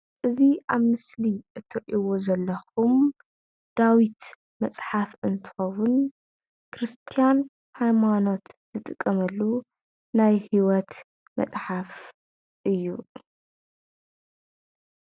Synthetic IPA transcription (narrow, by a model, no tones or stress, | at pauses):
ʔɨziʔaβmɨsliʔɨt̪ʰːɨɾʔiwozɐlːɐxum | d̪̥awit̪ | mɐt͡sʼħafɨnt̪ʰɨ̥xɐwun | kʰɾɨst̪ʰijan | hajmano̞t̪z̥ɨt̪ʼɨkʼːɐmɐlːu | najhiwɔt̪ | mɐ̰t͡sʼħaf | ʔɨjːu